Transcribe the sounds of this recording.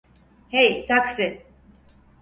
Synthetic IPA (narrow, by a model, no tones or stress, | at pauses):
hejt̪ʰaksɪ